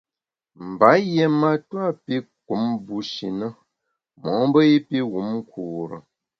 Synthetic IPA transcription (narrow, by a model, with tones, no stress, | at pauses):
m̩˨ba˨˦jɛ˨ma˨twa˦˨pi˦k̚u˨˦mbu˦ʃḭ˨nə˦ | mɔ˨˦m˦bə˦i˦pi˦ɣu˨˦mŋ˦kuː˨ɾə̰˨